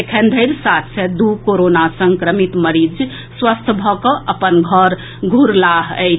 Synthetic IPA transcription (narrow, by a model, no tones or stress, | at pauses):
ekʰənd̪ʱəɪɾsat̪ʰsʰed̪ukoɾonasəŋkɾəmit̪məɾid͡ʒ | swəst̪ʰbʱɔkɔʔəpənɡʱəɾ | ɡʱuɾlaɦə̰